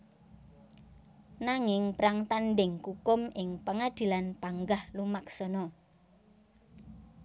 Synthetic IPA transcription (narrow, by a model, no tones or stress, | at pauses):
naŋɪŋpɾaŋt̪anɖɪŋkukʊmɪŋpəŋad̪̥i̤lanpaŋɡahlumaksɔnɔ